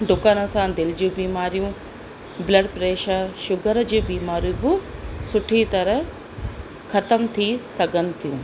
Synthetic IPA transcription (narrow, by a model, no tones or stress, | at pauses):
ɖʊkaːnəsãd̪ɪld͡ʑũːbiːmaːɾijũ | blɐɖpɾeːʃəʃʊɡəɾd͡ʑiːbiːmaːɾjũbɪsʊʈʰit̪ɐɾəɦ | xɐt̪əmt̪ʰisɐɡʱənɪ̆t̪ʰijũː